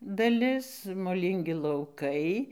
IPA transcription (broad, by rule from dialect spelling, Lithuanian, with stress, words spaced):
dɐˈlʲɪs moːˈlʲiːŋʲɡʲɪ lˠɐʊˈkɐɪ